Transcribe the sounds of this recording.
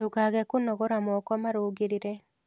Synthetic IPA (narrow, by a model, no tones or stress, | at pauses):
oɡaɡɛkʊnɔɡɔɾamɔkɔmaɾoɡɪɾɪɾe